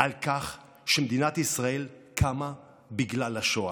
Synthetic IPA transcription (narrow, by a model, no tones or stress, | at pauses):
ʔalkaχ | ʃemed̪inat̪isʁae̞lkʰama | biɡlalaʃoa